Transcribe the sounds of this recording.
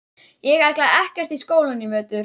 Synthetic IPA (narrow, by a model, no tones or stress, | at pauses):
jɛɣajklaɛhcɛr̥t̪iskoːwlʏnːɪmœːt̪ʏ